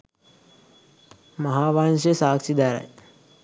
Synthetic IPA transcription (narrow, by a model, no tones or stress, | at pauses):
məɦaːʋaːnʃesaːksid̪aːɾa̰j